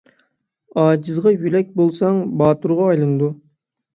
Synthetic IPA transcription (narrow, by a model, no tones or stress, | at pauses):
ɑːd͡ʒɨzʁɑjylɛk̚ʲbolˠsɑŋbɑːt̪uɾʁɑːjlˠɨnd̪u